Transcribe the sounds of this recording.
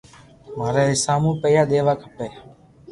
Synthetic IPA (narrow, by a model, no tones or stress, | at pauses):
maːɾeːɦɪsaːmũːpəjaːɗ̪eːʋaːkʰəpeː